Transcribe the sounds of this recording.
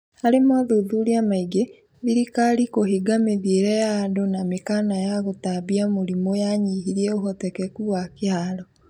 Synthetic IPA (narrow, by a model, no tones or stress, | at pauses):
aɾemaðoːðuɾiamaiɡe | βiɾikalikohiɡameðieɾɛjadonamekanajaɣotaβiamoɾimojaɲiɦiɾiɛoɦɔtɛkɛkuwakeaɾɔ